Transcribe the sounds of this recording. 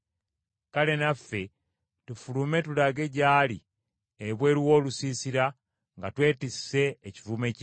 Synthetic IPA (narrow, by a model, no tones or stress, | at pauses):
kale̞nafːe̞ | tufulume̞tulaɡe̞ɟaːli | eβwe̞ːɾiwo̞ːlusiːsiɾa | ŋɡatwe̞ːtise̞ːcivume̞c